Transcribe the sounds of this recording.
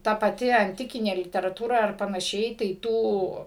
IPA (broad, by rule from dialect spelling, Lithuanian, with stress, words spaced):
ˈtɐ pɐˈtʲɪ ɐnʲˈtʲɪkʲɪnʲeː lʲɪtʲɛrɐˈtuːrɐ ɐr pɐnɐˈʃʲɛɪ tɐɪ ˈtuː